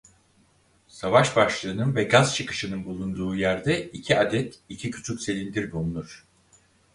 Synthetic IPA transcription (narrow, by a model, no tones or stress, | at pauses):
savaʃbaʃlˠɯːnɯnvɛɡaz̥t͡ʃʰɯkɯ̥ʃɯnɯnbulˠund̪uːjæɾd̪ɛicʰiad̪ɛt̪icʰicʰy̥t͡ʃʰycse̞lʲind̪iɾbulˠnuɾ̥